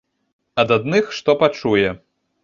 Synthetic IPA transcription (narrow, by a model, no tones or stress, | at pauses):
ɐd̪ad̪nɨxʂt̪ɔpat͡ʂujɛ